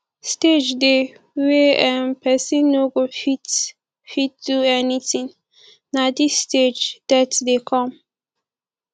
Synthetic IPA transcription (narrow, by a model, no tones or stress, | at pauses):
sted͡ʒde | weɛ̃npʰɛsĩnːoɡofit | fitduɛnitĩŋ | nad̪isːted͡ʒd̥ɛtdekʰɔ̃m